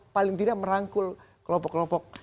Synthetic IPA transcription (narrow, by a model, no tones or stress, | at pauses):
palɪŋt̪idaʔməɾaŋkʊl | kəlɔpɔkːlɔpɔk̚